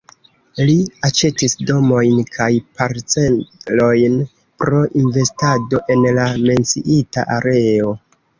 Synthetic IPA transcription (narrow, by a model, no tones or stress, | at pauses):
liat͡ʃe̞tisdo̞mo̞jnkʰajpaɾt͡se̞nlo̞jn | pɾo̞ʔinve̞stado̞ʔe̞nlame̞nt͡sḭʔita̰ʔaɾe̞o̞